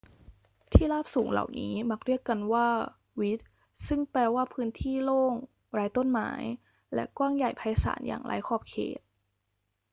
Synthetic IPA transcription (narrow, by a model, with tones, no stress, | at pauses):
t̪ʰiː˥˩laː˥˩p̚suː˩˦ŋla̰˨˩wniː˦˥ma˦˥k̚ɾi˥˩əkːa˧nwaː˥˩ | wi˦˥t̪̚ | sɯ˥˩ŋplɛː˧waː˥˩pʰɯː˦˥nt̪ʰiː˥˩loː˥˩ŋ | ɾaː˦˥jt̪o˥˩˨nma̰ː˩˦j | lɛ̰˦˥ʔkwaː˥˩ŋja˨˩jpʰa˧jsa̰ː˩˦nja̰ː˨˩ŋlaː˨˦˥jkʰɔː˧˥˩p̚kʰḛː˨˩t̪̚